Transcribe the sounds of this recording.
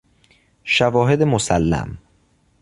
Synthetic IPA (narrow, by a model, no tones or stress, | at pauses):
ʃævɒːɦed̪emosælːæ̰m